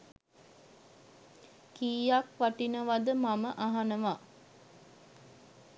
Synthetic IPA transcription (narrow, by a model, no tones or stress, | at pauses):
kiːjakʋaʈinəʋad̪əmaməʔaɦanəʋa